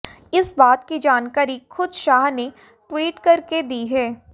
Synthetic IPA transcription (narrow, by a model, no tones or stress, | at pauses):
ɪsbaːt̪kid͡ʒaːnkaːɾixʊd̪ʃaːɦne | ʈwiːʈkɐɾked̪iːɦɛː